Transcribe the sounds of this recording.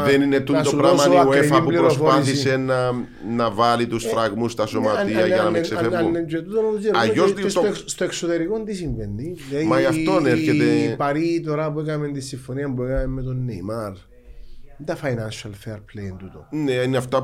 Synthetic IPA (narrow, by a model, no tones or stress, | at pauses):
ðeninet̪ut̪opɾamɐiaefɐimuliɾosfoɐsissenɐ | nɐvɐlit̪usfɾɐɣmust̪ɐso̞mɐiɐjɐnɐmeseeɐnːend͡ʒuet̪ut̪onouziɾɐʝosisst̪oeksot̪eɾikond̪isiɱvend̪ilemɐjɐft̪oneɾçet̪epɐɾit̪̬oɾɐp̬uekɐme̞nt̪isːiɱfoniɐmbuekɐmemːet̪onːejmaɾ | nd̪ɐfajnanʃɐlfeɾpʰlejent̪ut̪o̰neineɐft̪ɐ